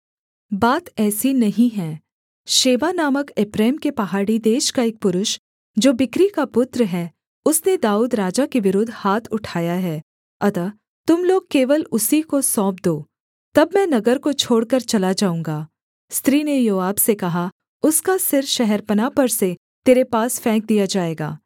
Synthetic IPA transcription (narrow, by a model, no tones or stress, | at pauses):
baːt̪ɛːsinɐɦĩɦɛ̃ː | ʃeːʋanaːməkɪpɾɛːmkepɐɦaːɽid̪eːʃkaeːk̚pʊɾʊʃ | d͡ʒoːbɪkɾikapʊt̪ɾəɦɛː | ʊsned̪aːuːd̪ɾaːd͡ʒakeʋɪɾʊd̪ʱːhaːt̪ʰʊʈʰaːjaɦɛː | ɐt̪a | t̪ʊmloːɡ̚keːʋəlʊsikosɔ̃ːp̚d̪oː | t̪ɐbmɛ̃ːnɐɡəɾkot͡ʃʰoːɽkɐɾt͡ʃɐlad͡ʒaːũːŋɡaː | st̪ɾiːnejoːaːbsekɐɦa | ʊskasɪɾʃɛɦɛɾpɐnapɐɾse | t̪eːɾepaːsfɛ̃ːk̚d̪ijad͡ʒaːeːɡa̰ː